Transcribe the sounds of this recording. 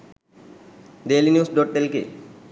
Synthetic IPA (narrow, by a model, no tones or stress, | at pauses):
ɖeːlinjuːsɖɔʈːelkḛ